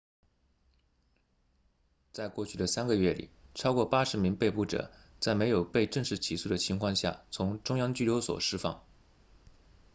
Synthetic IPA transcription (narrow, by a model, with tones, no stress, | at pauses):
t͡sa˥˧ɪkwɔ˥˧t͡ɕʰy˥˩d̪ə˩sa˥nɡə˧ɥɛ˥˩lḭ˨˩ʈ͡ʂʰɑ˥ʊkwɔ˥˩pa˥ʂɻ̩˧˥mi˧˥ŋpe˥˧ɪpu˥˩ʈ͡ʂɤ̰˨˩˦ | t͡sa˥˩ɪme˧˥jo˨˩ʊpe˥˧ɪʈ͡ʂɤ˥˧ŋʂɻ̩˥˩t͡ɕʰi˧˥su˥˩d̪ə˩t͡ɕʰi˧˥ŋkʰwɑ˥˧ŋɕja̰˥˩t͡sʰʊ˧˥ŋʈ͡ʂʊ˥ŋjɑ˥ŋt͡ɕy˥˩ljo˧˥ʊswɔ̰˨˩ʂɻ̩˥fɑ̰˥˩ŋ